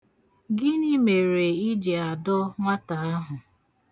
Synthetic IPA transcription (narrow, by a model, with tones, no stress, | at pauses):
ɡɪ˦ni˦me˨ɾe˨i˦d͡ʒe˨a˨dɔ˦ŋʷa˦ta˨a˦ɦʊ˨